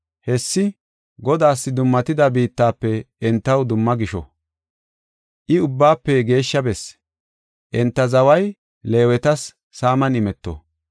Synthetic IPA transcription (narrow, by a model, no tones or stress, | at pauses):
hɛsːɪ | ɡɔd̪aːsːɪd̪ʊmːɐt̪ɪd̪ɐbiːt̪ːaːpːɛ | ɛnt̪ːɐwd̪ʊmːɐɡɪʃɔ̰ | ʔɪʊbːaːpːɛɡe̞ːʃːɐbɛs | ʔɛnt̪ːɐzɐwɐj | le̞ːwɛt̪ɐsː | aːmɐnɪmɛt̪ːɔ̰